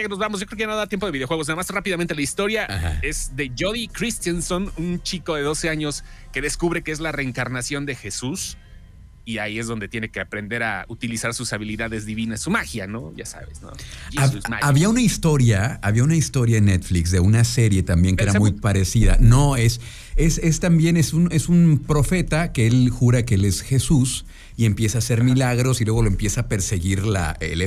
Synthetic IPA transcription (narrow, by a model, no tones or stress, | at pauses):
akeno̞zβamoszʝokɾekeanoðat̪jempoðieo̞xwe̞ɣonaðamasrapiðamẽnt̪elaist̪o̞ɾjaaha̰e̞zðe̞ʝo̞ðikɾist̪jansonunt͡ʃiko̞ðe̞ðo̞se̞aɲo̞ske̞ðe̞skuβɾe̞keezlare̞ːŋkaɾnasjo̞nd̪e̞xe̞sus | iaie̞zðo̞nd̪e̞t̪je̞nekeapɾe̞nd̪e̞ɾa̰ut̪ilisaɾsusaβiliðaðe̞zðiβinassumaxjano̞̰ʝa̰sa̰βḛsno̰aaβiaunaist̪o̞ɾjaːβiaunaist̪o̞ɾjaenːet̪fliks̬ðe̞unase̞ɾje̞t̪ambje̞ŋkeeɾamujpaɾe̞siða̰no̞e̞s | ese̞st̪ambje̞ne̞sune̞sunpɾo̞fe̞t̪akeelxuɾakeele̞sxe̞sus | ie̞mpje̞saːse̞ɾmilaɣɾo̞silweɣo̞loempje̞saːpe̞ɾse̞ɣiɾla̰ḛl